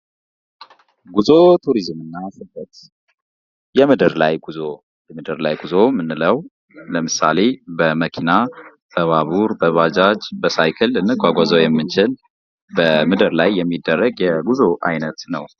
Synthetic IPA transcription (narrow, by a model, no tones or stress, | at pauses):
ɡuzot̪ʰuɾizmɨnːasɨbət̪ | jɛmɨd̪ɨɾla̰jɡuzo | jɛmɨd̪əɾla̰jɡuzo̞mɨnːɨləw | ləmɨsa̰le̞bəməkʰina | b̥əβaβuɾbəβad͡ʒad͡ʒbəsajkʰɨlɨnːɨɡʷwaɡʷazəwjɛmːɨnt͡ʃɪl | bəmɨd̪əɾlajːɛmːid̪ːərːəɡjɛɡuzoʔa̰jnət̪nəw